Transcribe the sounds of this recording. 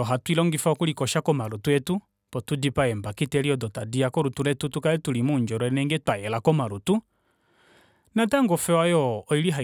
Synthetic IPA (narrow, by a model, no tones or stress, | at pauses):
ɔɦatwilɔŋɡifaɔkulikɔʃakɔmaɾutuɛtu | pɔtudipaɛmbakitɛliɔdɔtadiakɔɾutulɛtutukaɛtulimuɲd͡ʒɔɾɔɛnɛŋɡɛtwajɛlakɔmaɾutu | nataŋɡɔfɛwajɔɔiliɦa